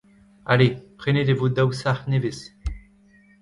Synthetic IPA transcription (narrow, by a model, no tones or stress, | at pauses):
alepχened̪evod̪awsaχneves